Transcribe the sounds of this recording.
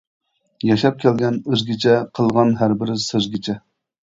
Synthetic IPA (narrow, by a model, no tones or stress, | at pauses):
jɛʃɑp̚kʲʰɛlɡʲɛnəzɡʲit͡ʃʰɛqʰəlˠʁɑnɦæɾbɪɾɪsezɡʲit͡ʃʰɛ